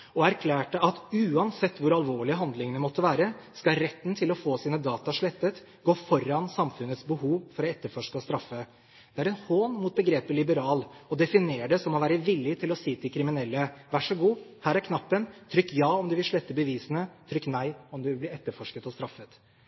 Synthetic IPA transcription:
ɔæɾkʰlæːʈəʔɑt̪ʉːɑnsɛt̪ːʋʊɾɑlʋoːɭɪəɦɑnd̪lɪŋənəmɔt̪ːəʋæːɾəskɑɾɛt̪ːnt̪ʰɪlɔfoːsiːnəd̪ɑːt̪ɑʂɭɛt̪ːət̪ | ɡoːfɔɾɑnsɑmfʉnət̪sbəhuːʋfɔɾɔɛt̪ːəɾfɔʂkəɔst̪ɾɑfːə | d̪̥ɛæɾɛnhoːnmuːt̪̚bəɡɾeːpəlɪbəɾɑːlɔd̪ɛfɪneːɖɛsɔmɔʋæːɾəʋɪlːɪt̪ʰɪlɔsiːt̪ʰɪlkʰɾɪmɪnɛlːəʋæʂɔɡuːhæːɾæɾkʰnɑpːənt̪ʰɾʏkːjɑːɔmd̪ʉʋɪlʂɭɛt̪ːəbəʋiːsənət̪ʰɾʏkːnæɪɔmd̪ʉʋɪlb̪ɪɛt̪ːəɾfɔʂkət̪ɔst̪ɾɑfːət̪

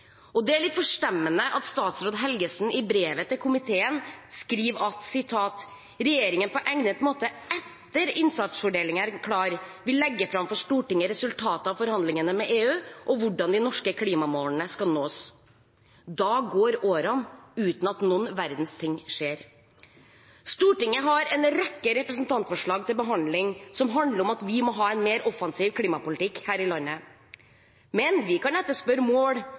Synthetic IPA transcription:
ʔɔd̪ɛæɭɪt̪fɔʂʈɛmːənəʔɑt̪st̪ɑːt̪sɾoːd̪ɦɛlɡəsn̩ɪbɾeːʋət̪ʰɪlkʰʊmɪt̪ʰeːənskɾiːʋɑt̪sɪt̪ʰɑːt̪ | ɾɛjeːɾɪŋənpɔʔɛŋnət̪moːt̪əʔɛt̪ːəɾɪnsɑt̪sfɔɖeːlɪŋæɾkʰɽɑːɾʋɪlːɛɡːəfɾɑmfɔʂʈuːʈɪŋːəɾɛsʉlt̪ʰɑːt̪əɑʋfɔɾhɑnd̪lɪŋənəmɛʔeːʉːʔɔʋʊɖɑnd̪ɪnɔʂkəkʰliːmɑmoːln̩əskɑlnoːs | d̪ɑːɡoːɾoːɾɑnʉːt̪n̩ɑt̪nuːnʋæɾd̪n̩st̪ʰɪŋʂeːɾ | st̪uːʈɪŋːəɦɑɾɛnɾɛkːəɾɛpɾəsnt̪ʰɑnt̪fɔʂɭɑːɡt̪ɪlbəɦɑnd̪lɪŋsɔmɦɑnd̪ləɾɔmɑt̪ʋɪmɔɦɑːɛnmeːɾʔɔfɑnsiːʋkʰliːmɑpʊlɪt̪ɪkhæːɾɪlɑnːə | mɛnʋɪkɑnɛt̪ːəʂpœɾəmoːɽ

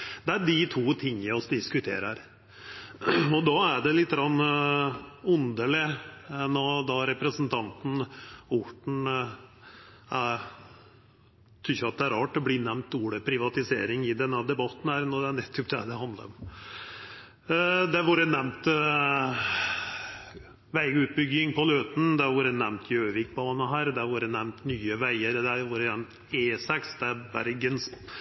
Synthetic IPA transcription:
d̪ɛæɖɪt̪ʰuːt̪ʰɪŋːəɔsd̪ɪskʉt̪ʰḛːɾəɾ | ɔd̪ɑːæɖɛlɪt̪ːɡɾɑnː | ʉnd̪əlɪɛnːɔd̪ɑɾɛpɾəsənt̪ʰɑnt̪n̩ʊʈɳ̩ | æ | t̪ʰʉçɑt̪̚d̪ɛæɾɑːʈːɔbliːnɛmnt̪uːɽəpʰɾɪʋɑt̪ɪsḛːɾɪŋɪd̪ɛnːəd̪ɛbɑt̪ːn̩hæːɾnɔd̪ɛæɳɛt̪ʰːʊpd̪ɛ̰d̪ɛhɑnd̪lə̰ɾɔm | d̪ɛæɾʋuːɾənɛmt̪ | ʋæɪəʉːt̪̚bʏɡɪŋpɔløːt̪n̩d̪ɛʋuːɾənɛmnt̪ʰjøːʋɪkbɑːnɑɦæːɾd̪ɛæʋuːɾənɛmnt̪nyːəʋæɪəɾd̪ɛæʋuːɾənɛmt̪ | eːsɛksd̪ɛɾbæ̰ɾɡəns

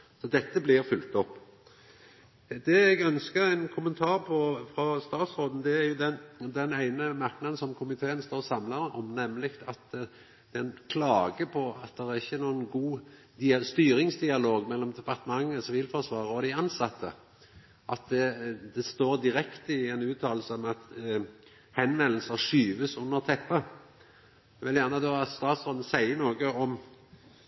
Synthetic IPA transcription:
sɔd̪ɛt̪ːəblɪʁfʏlt̪ɔpː | d̪ɛɛɡœnskəɾæɪnkʰʊmənt̪ʰɑːʁpʰɔfɾɔst̪ɑːt̪sʁoːd̪n̩d̪ɛæɾjʊd̪ɛnd̪ɛnæɪnəmɑɾknɑd̪n̩sɔmkʰʊmɪt̪ʰeːənst̪oːʁsɑmləɾɔ̰mnɛmːlɪkt̪ɑt̪ | d̪̥ɛɛnkʰlɑːɡəpʰɔɑt̪̚d̪ɛʁæʁɪçːənuːənɡuː | d̪ɪst̪yːɾɪŋsd̪ɪɑloːɡmɛlːɔmd̪ɛpɑʁt̪əmɑŋːəsɔʋɪlfɔʁsʋɑːʁəɔd̪ɪɑnsɑt̪ʰːə | ʔɑt̪̚d̪ɛd̪ɛst̪oːɾd̪ɪɾɛkt̪əɪɛnʉːt̪ʰɑːllsəɔmɑt̪ | hɛnʋɛnl̩səʂyːʋəsʊnːəʁt̪ʰɛpːə | ɛʋɛld̪jæʁnəd̪ʉɑt̪st̪ɑːt̪sʁɔːd̪n̩əsæɪənoːɡəɔm

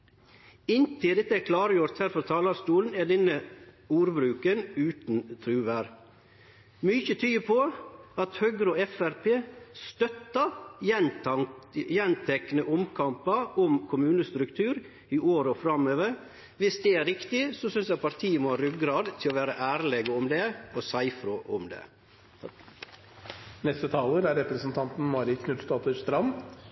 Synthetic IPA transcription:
ɪnt̪ʰɪld̪ɛt̪ːəɛkʰlɑːɾəjʊɾt̪hæɾfɔɾt̪ʰɑːlɑɾst̪uːln̩ɛɖɛnəjuːɾbɾʉːkənʉːt̪nt̪ʰɾʉːʋæːɾ | mʏçət̪ʰyːpʰoɑt̪høɡɾoɛfæɾpʰeːst̪œt̪ːɑ | jɛnt̪ʰɛknəʔʊmkʰɑmpɑʔɔmkʰʊmʉːnəst̪ɾʉkt̪ʰʉːɾ | ɪʔoːɾəɔfɾɑmøːʋəɾ | ʋɪsd̪ɛæɾɪkt̪ɪsɔsʏnsjæɪpʰɑɾʈ̪ʰiːəmɔhɑɾʉɡɾɑːd̪t̪ʰɪlɔʋæːɾəʔæːɾlɛɡɔmd̪ɛɔsæɪfɾʊʔɔ̰md̪ɛ̰ | nɛst̪ət̪ʰɑːləɾæɾɛpɾəsnt̪ʰɑnt̪n̩mɑːɾɪkʰnʉt̪st̪ɑːt̪əʂt̪ɾɑm

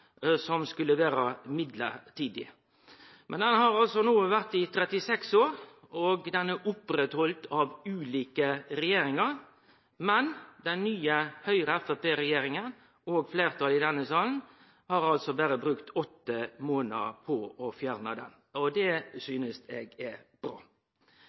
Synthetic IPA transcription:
sɔmskʉlːəʋæːɾəmɪd̪lə̰t̪ʰiːd̪ɪ | mʔɛnd̪ɛnhɑɾɑlsɔnuːʋæɾt̪ɪt̪ʰɾɛt̪ɪsɛksoːɾ | ɔɡd̪ɛnæʔʊpːɾɛt̪hɔlt̪ʰɑʋʉːliːkəɾɛjeːɾɪŋɑɾ | mɛnd̪ɛnːyːəhœʏɾəɛfɛpeːɾɛjeːɾɪŋən | oːɡfleːɾt̪ʰɑːlɪd̪ɛnːəsɑːln̩ | hɑɾɑlt̪sɔbæɾəbɾʉkt̪ʰɔt̪ːəmoːnə̰pʰɔɔfjæɾnəd̪ɛ̰n | ɔd̪ɛsyːnəsɛɡɛb̥ɾɑ̰ː

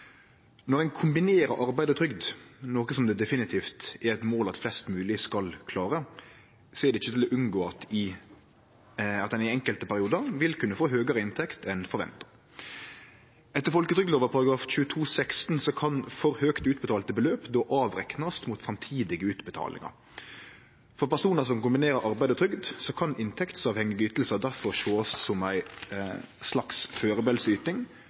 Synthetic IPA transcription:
nɔʁæɪnkʰʊmbɪneːɾə̰ʔɑɾbæɪd̪ət̪ʰɾʏɡd̪noːkəsɔmd̪ɛd̪ɛfɪnɪt̪ʰiːft̪æɾɛt̪moːlɑt̪flɛst̪mʉːlɪskɑlkʰlɑːɾə | sɔɛʁd̪ɛɪçːət̪ʰɪlɔʔʉnɡoːɑt̪ | ɑt̪d̪ɛnɪɛŋkəlt̪əpʰæɾɪuːd̪əʁʋɪlkʰʉnːəfoːɦøːɡəɾəɪnt̪ʰɛkt̪ʰɛnfɔɾʋɛ̰nt̪ɑ̥ɾ | ɛt̪ːəɾfɔlkət̪ʰɾʏɡloːʋəɾpʰɑɾɑɡɾɑːfc͡çʉːət̪ʰuːsɛkst̪n̩sɔkʰɑnfɔɾhøːkt̪ʉːt̪̚bət̪ɑːlt̪əbəløːpd̪oːʔɑːʋɾɛ̰knəst̪mut̪fʁɑmt̪ʰiːd̪ɪɡəʉːt̪bət̪ʰɑ̰ːlʔɪ̰ŋə̰ɾ | fɔɾpæʁsuːnəs̬ɔmkʊmbɪneːɾəɾʔɑɾbæɪd̪ət̪ɾʏɡd̪sɔkʰɑnɪnt̪ʰɛkt̪sɑːʋhɛŋːɪɡəyːt̪l̩səd̪æʁfɔɾʃoːssɔmæɪ | slɑksføːʁəbɛlsyːt̪nɪŋ

